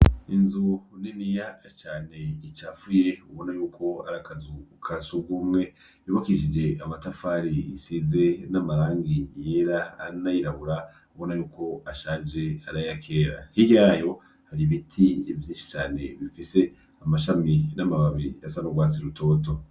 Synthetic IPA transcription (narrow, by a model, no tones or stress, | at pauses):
inzuninijat͡ʃaːne̞it͡ʃaːfuɾiɾe̞uβo̞najuːkʰo̞a̰ɾakazuːkʰasubɡuːmŋe̞ | joβakiʃid͡ʒe̞amatafaɾisize̞namaɾaːŋɡije̞ːɾa̰ːnajiɾaβuɾa | uβo̞najuːko̞aʃaːd͡ʒe̞aɾajakʰe̞ːɾa̰hiɟajo̞ | haɾiβitʰievjiːnʃi̥t͡ʃaːne̞̰βifise̞ | amaʃaminamaβaβiasanoɡwaːt͡siɾuto̞ːto̞